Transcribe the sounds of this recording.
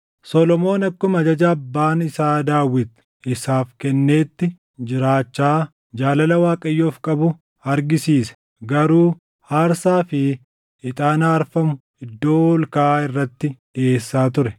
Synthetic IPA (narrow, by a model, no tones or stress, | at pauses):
sɔlɔmo̞ːnɐkːɔmɐd͡ʒɐd͡ʒɐːbːaːnɪsaːd̪aːwːɪt̪ | ɪsaːfkɛnːe̞ːt̪ːɪ | d͡ʒɪɾaːt͡ʃːaː | d͡ʒaːlɐlɐwaːkʼɐjːoːfkʼɐbʊ | ɐɾɡɪsiːsɛ̥ | ɡɐɾuː | haːɾsaːfɪ | ɪt̪ʼaːnaːɾfɐmʊ | ɪd̪ːo̞ːwɔlkaːɪrːɐt̪ːɪᶑɪeːsːaːt̪̬ʊɾɛ